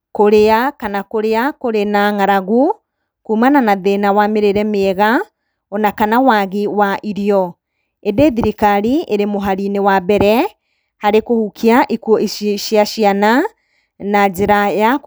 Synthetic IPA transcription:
koɾeakanakoɾeakoɾenaŋaɾaɣu | kuːmananaðenawameɾeɾɛmeːɣa | ɔnakanawaɣiwaʔiɾiɔ | edeðiɾikaɾieɾemoɦaɾinewabɛɾɛ | haɾekohukʰiaʔikuɔʔiʃʃiaʃiana | nad͡ʒeɾaja

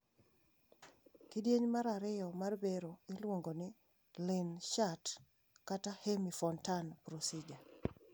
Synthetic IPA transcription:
kidjeɲmaɾaɾɪjɔmarbeɾoɪlwoŋɡonɪ | lɪnʃat | katahemifɔntanpɾosid͡ʒa

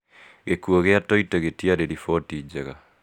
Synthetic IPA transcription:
ɣekuoɣeatoiteɣetiaɾeɾifotid͡ʑeɣa

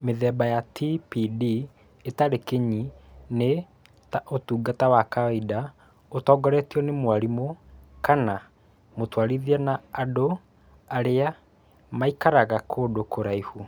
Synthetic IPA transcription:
meðɛːbajatipidi | etaɾekeɲine | taʔotuːɡatawakaida | otɔːɡɔɾɛtiɔnemwaɾimokana | motwaɾiðianaːdo | aɾea | maikaɾaɣakʰoːdokoɾaihu

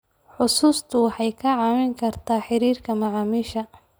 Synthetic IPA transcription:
ħʊsuːst̪ʰʊwɑħɑjkʰɐʕɑːmɪŋkʰɐrt̪ʰaːħɪɾiːrkʰɐmɑʕɑːmiʃɐ

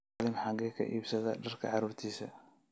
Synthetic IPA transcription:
lɪmħɑŋɡɛkʰɐ̰ʔiːbsɐðɐɖɐrkʰɐ̰ʕɑɾuːrt̪ʰiːsɐ̰

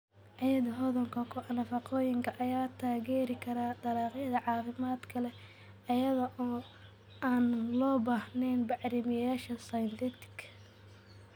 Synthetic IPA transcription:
ʕɑjɐðɐɦɔðɐŋkʰɐkʰʊʔɑnɐfɐqɔːjɪŋkʰɐʔɐjaːt̪ʰaːɣɛːɾɪkʰɐɾaːd̪ɐɾɑːqjɐðɐʕɑːfɪmaːd̪kʰɐlɛ | ɐjɐðɐʔɔː | aːnlɔːbaːhnɛnbɑʕɾɪmɪjaːʃɐsɐjɐnt̪ʰiːt̪ʰɪ̥kʰɐ̥

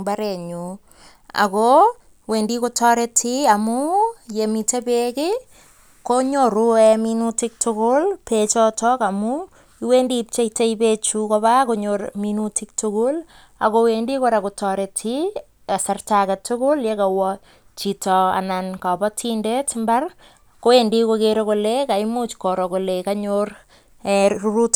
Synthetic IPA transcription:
baɾeɲu | a̰ko | wendikotɔɾetʰiamujemitepekɪ | koɲoɾuɛminutɪk̚tʰʊkʊlpet͡ʃɔtɔkamu | iwendip̚t͡ʃeiteipet͡ʃukɔβakoɲorminutik̚tʊkʊl | akowendikoɾakutɔɾetʰi | asartakatʊkʊljekawɔ | t͡ʃitɔa̰nankapɔtʰindetmbar | kowendikokeɾokolekaimut͡ʃkɔɾɔkolekaɲor | ɛruɾut

